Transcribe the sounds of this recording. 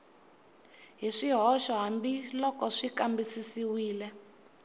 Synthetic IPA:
ɦiʂiɦɔʃɔɦambilɔkɔʂikambisisiwiːlɛ

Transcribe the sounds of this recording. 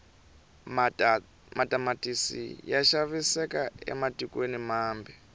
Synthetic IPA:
matʼamatʼisḭjaʃaβisɛkaɛ̰matʼikwenimaːmbi

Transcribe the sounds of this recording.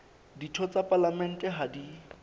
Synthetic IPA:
ditʰɔt͡sapʼalamɛn̩tʼɛɦadi

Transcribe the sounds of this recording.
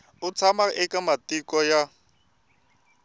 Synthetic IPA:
ʊt͡sʰamaʔɪkʼamatikɔja

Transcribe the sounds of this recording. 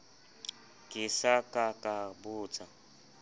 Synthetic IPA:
ɡ̥ʼɪsakʼakʼabʊːt͡sʼa

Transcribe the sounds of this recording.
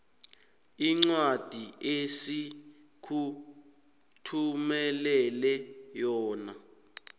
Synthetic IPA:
iŋ͡ǀwad̥ʱiesi | kʰu | tʰumɛlɛlɛjɔːna

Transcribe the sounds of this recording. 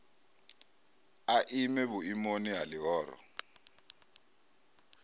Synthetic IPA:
aʔimɛβuimoniɦalɪɦɔːɾɔ̰

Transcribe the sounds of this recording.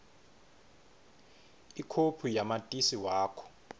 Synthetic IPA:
ikʰopʰujamatʼisiwaːkʰɔ̥

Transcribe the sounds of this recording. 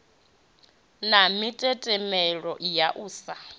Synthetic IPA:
namitʼɛtʼɛmɛɺɔjaʔuːsa

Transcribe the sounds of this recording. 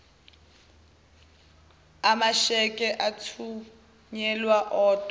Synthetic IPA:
amaʃɛkʼɛʔatʰu | ɲɛlwaʔɔːtʼɔ

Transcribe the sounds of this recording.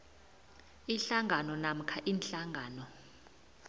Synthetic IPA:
iɬaŋʱanɔnam̩kʰaʔiːnɬaŋʱaːnɔ

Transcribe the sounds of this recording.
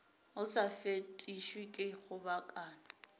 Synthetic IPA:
ʊsafetʼiʃwikʼɪɣʊbakʼaːna

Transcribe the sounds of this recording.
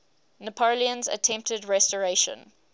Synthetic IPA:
nəpʰoliə̃nzə̰tʰɛ̃mp̚tədɹɛstɔɹeʃə̰̃n

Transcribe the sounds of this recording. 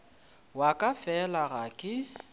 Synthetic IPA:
wakʼafɛlaɣakʼɪ

